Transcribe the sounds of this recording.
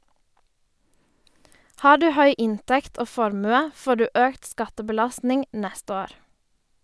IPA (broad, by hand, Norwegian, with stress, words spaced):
ˈhɑː ˈɖʉː ˈhœʏ ˈɪntɛkt ˈoː ˈfɔɾmʉə ˈfoː ˈɖʉː ˈøːkt ˈskɑtəbəˌlɑstnɪŋ ˈnɛst ˈoːɾ